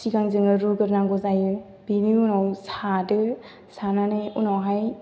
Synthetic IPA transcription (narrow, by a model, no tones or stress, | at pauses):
sikaŋzɯŋɯɾuɡɯɾnaɡɔzajɯ | binɯunawsadɯ | sananɯjunawɦaj